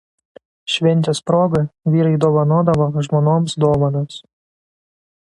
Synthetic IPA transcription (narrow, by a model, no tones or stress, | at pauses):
ʃʲʋʲɛnʲt͡ʃ̪ʲɛspɾoːɡɐʋʲiːɾɐɪd̪oːʋɐnoːd̪ɐʋoʒmɔːnoːmsd̪oːʋɐnos